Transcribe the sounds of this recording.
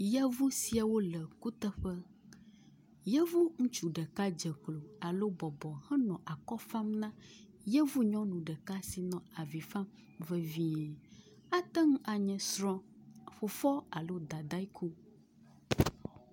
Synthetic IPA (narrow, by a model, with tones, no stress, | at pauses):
ja˦vu˦si˨a˨wo˦lə˨ku˦t̪ə˦ɸə˦ | jɛ˦vu˦ŋũ˦t͡ʃu˨ɖə˨ka˦d͡ʒə˨klo˨a˨lo˦bɔ˨bɔ˨hɛ̃˦nɔ̃˨ʔa˨kɔ˦fa˦mnã˦ | jɛ˦vu˦ɲɔ̃˦nũ˨ɖə˨ka˦si˨nɔ̃˨a˨vi˨fa˦m | və˨vi˦ɛ˨ | a˦t̪ɛ˦ŋũ˦ʔa˨ɲɛ̃˨sɾɔ̃˦ɸo˨fɔ˦a˨lo˦d̪a˨d̪a˦jkʰu˦